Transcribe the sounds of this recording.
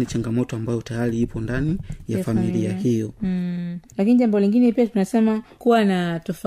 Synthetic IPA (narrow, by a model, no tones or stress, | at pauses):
nit͡ʃaŋɡamɔtɔambajɔtajaɾiipɔndanijafamiliahijɔ | lakiniʄambɔliŋɡinɛpiatunasɛmakuwanatɔfa